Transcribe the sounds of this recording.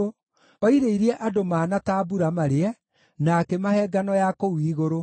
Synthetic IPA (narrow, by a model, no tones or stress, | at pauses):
ɔiɾeiɾiɛʔadomaːnataːbuɾamaɾeɛ | nakɛmahɛːɡanɔjakowiːɣoɾo